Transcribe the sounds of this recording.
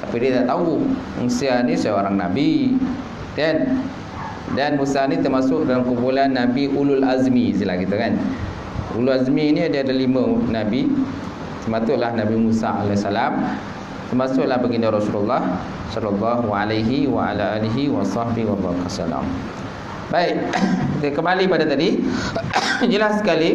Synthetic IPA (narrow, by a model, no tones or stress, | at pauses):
t̪apidiat̪aʔt̪auṵŋsianisəoɾaŋnabi | kan | danmusanit̪ərmasʊʔ̚dalamkumpulanːabiʔululʔazmisilahkit̪ukan | ṵlulazmiːniadiaadalimə̃nabi | t̪ərmat̪ʊʔlahnãbimusa̰a̰lasalam | t̪ərmasʊʔlahbəɡindaɾɔsulalˤːɑh | sɔlːalˤːɑɦwaalajɦiwaa̰laʔaliɦiwɑsɑhbihwabɑ̰ɾkasa̰la̰m | baɪʔ̚iəkəmbalipadat̪adi | d͡ʒəlasːə̥kali